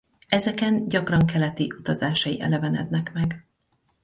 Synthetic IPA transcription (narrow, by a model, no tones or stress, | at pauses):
ɛzɛkɛnɟɒkrɒŋkɛlɛt̪iʔut̪ɒzaːʃɒjiʔɛ̰lɛvɛnɛ̰d̪nɛkmɛɡ